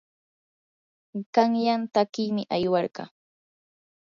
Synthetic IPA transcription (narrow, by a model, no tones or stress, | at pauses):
ɢ̥ɑŋjant̪akɪːmɪʔajwɑɾɢɑ̰ː